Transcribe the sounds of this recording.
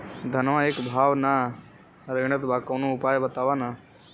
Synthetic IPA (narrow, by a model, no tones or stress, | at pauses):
d̪ʱɐnʋãeːkbʱaːʋna | ɾeɡɳət̪bʱaːkɐːnũʊpaːjbɐt̪aːʋaːnaː